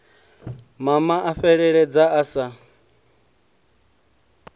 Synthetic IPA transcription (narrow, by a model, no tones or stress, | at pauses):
mamaʔaɸɛɺɛɺɛd͡zaʔasa